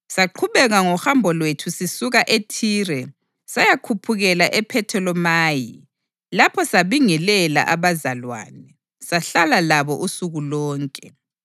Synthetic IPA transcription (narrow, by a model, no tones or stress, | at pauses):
saǃʰuβɛɣaŋɔxambʱɔlwetʰusisuɣaʔetʰiːrɛ | sajakʰupʰuɣɛlaʔɛpʰɛtʰɛlɔmaːji | lapʰɔsaβiŋɛlɛla̰ʔaβazalwa̰ːnɛ | saɬalalaβɔʔusuɣulɔːŋkʼɛ